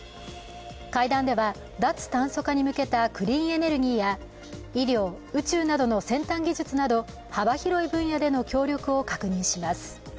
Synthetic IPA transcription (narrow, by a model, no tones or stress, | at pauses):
kaid̪ãnd̪e̞βa | d̪at͡sɨ̥t̪ãɰ̃so̞kaɲ̟imɯ̟ke̞t̪akɯ̟ɾʲĩːe̞ne̞ɾɯ̟ɡʲiːja | iɾʲo̞ː | ɯ̟t͡ɕɨːnad̪o̞no̞sẽ̞nt̪ãŋɡʲiʑɨt͡sɨnad̪o̞ | habaçiɾo̞ibɯ̟̃ɰ̃jad̪e̞no̞kʲo̞ːɾʲjo̞kɯ̟o̞kakɯ̟ɲ̟ĩɕimasɨ̥